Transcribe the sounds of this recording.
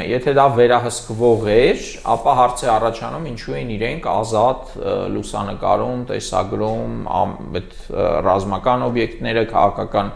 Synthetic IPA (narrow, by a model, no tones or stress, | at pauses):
jɛt̪ʰɛd̪ɑvɛɾɑɦəskvɔʁɛɾ | ɑ̰pɑɦɑɾt͡sʰɛɑrɑt͡ʃʰɑnumint͡ʃʰuɛniɾɛŋkʰɑ̰zɑt̪lusɑ̰nəkɑ̰ɾumt̪ɛ̰sɑ̰ɡɾumɑ̰ | ɛt̪ | rɑ̰zmɑkɑnɔbjɛkt̪nɛɾəkʰɑ̰ʁɑkʰɑkɑn